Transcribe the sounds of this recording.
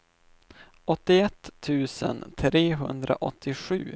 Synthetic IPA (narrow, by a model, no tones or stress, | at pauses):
ɔt̪ːɪɛt̪ʰːʉ̟ːsə̰nt̪ʰɾeːɦɵ̰nd̪ɾa̰ʔɔt̪ʰːɪɧʉ̟ː